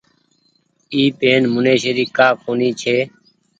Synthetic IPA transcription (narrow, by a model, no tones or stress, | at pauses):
iːpeːnmʊnẽːʃeːɾiːkaːkoːniːt͡ʃʰeː